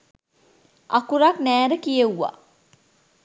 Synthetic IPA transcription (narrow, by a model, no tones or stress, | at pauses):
ʔɐkuɾaknæːɾəkijeuʋa̰